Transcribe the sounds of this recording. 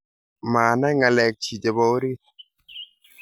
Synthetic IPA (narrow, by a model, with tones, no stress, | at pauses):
ma˨na˦ŋa˨lɛ˨k̚t͡ʃi˨d͡ʒe˨bɔ˦o˦ɾi˦t̚